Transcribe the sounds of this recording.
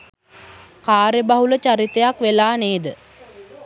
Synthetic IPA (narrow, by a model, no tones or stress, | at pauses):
kaːɾjəbaɦulət͡ʃaɾit̪ejakʋelaːneːd̪ə